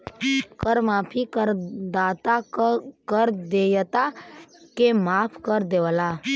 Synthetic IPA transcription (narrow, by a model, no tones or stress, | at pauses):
kəɾmaːpʰikəɾd̪aːt̪akəɾd̪ejət̪akemaːpʰkəɾd̪eʋəla